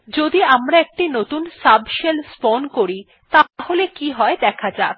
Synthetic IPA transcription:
d͡ʑod̪iamɾaek̚ʈinot̪unsabʃelsponkoɾi | t̪aholekiɦɔed̪ɛkʰad͡ʑa

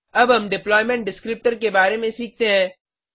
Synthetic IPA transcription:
ɐbɦɐmɖɪplɔːɪmɛ̃ɳʈ̚ɖɪskɾɪp̚ʈəɾkebaːɾemẽsiːk̚ʰt̪eɦɛ̃ː

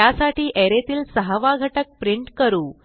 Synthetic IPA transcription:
asaʈiːʔeɾet̪iːlsəɦəʋaɡʱəʈək̚pɾiɳʈkəɾuː

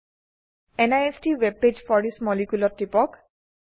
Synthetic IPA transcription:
enajestiweb̚ped͡ʒfʰɔɹdismɔlikulɔtːipɔk

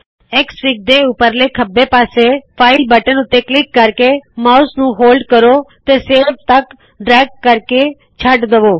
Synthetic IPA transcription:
ɪksɾɪk̚d̪eːʊpəɾleːkʰəbːeːpaːseːpʰaːɪlbəʈənʊt̪ːeːklɪkːəɾkeːmaːʊsnũːɦoːlɖkəɾoːt̪eːseːɾb̚t̪ək | ɖɾɛːɡ̚ːəɾke | t͡ʃʰəɖd̪əʋoː

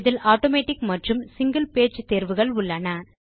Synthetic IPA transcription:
ðɪlaːʈoːmeːʈɪkmɐʈrɯmsɪŋɡɐlpeːt͡ʃt̪eːɾʋɯɣɐɭʊɭːɐnɐ

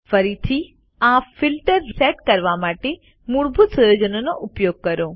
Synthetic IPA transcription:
fɐɾit̪ʰi | ãːfɪlʈəɾseːʈkɐɾʋamaːʈe | muɽbʱut̪sɐjoːd͡ʒənonoʔʊpjoːɡ̚kɐɾõː

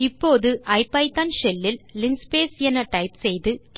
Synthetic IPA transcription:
ɪpːoːðɯʔɐɪpːɐɪt̪ɐnʃɛlːɪlːɪŋspeːsɛnɐʈɐɪpsɛjðɯk

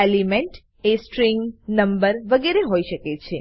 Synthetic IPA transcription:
elimẽɳʈ | esʈɾĩŋɡnəmbəɾʋəɡeɾeɦoiʃəket͡ʃʰe

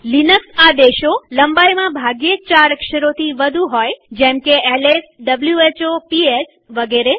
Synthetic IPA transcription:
linəksad̪eʃoləmbajmãbʱaɡjet͡ʃaɾəkʃəɾot̪ʰiʋəd̪ʱũɦojd͡ʒɛ̃mkeelesɖəbljuet͡ʃopies | ʋəɡeɾe

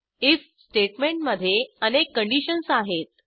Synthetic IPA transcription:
it͡s | sʈeʈmeɳʈməd̪ʱːjeənekːəɳɖiɕənsaɦet̪̚

